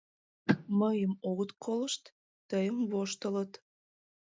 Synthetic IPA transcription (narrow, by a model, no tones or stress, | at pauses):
məjəmoɣət̪kʰoləʃt̪ː | əjəmβoʃt̪ələt̪